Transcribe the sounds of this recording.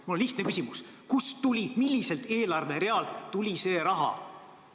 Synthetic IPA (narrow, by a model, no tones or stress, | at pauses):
mulonliht̪ne̞kysimus | kust̪ulʲimilʲːise̞lt̪e̞ːlɑrve̞ɾe̞ɑlt̪ːulʲise̞ːɾɑɦɑ̰